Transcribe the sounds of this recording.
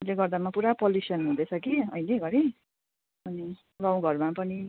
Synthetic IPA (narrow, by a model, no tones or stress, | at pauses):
ʌleɡʌrd̪amapuɾapʌljusʌnɦũd̪et͡sʰʌkiʌ̰ileɡʌɾi | ʌni | ɡãw̃ɡʱʌrmapʌni